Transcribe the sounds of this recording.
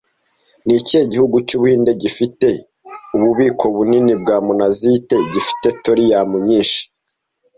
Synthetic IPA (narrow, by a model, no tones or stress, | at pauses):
nicieɟihuɡucuβuhiːnde̞ɟifite̞ | uβuβiːkʰo̞βuninibɡaːmunazite̞ɟifi̥te̞toɾijamuɲiːʃi̥